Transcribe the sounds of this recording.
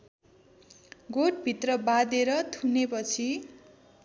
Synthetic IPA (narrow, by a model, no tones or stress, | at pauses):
ɡoʈ̚bʱit̪rʌbad̪eɾʌt̪ʰunepʌt͡sʰi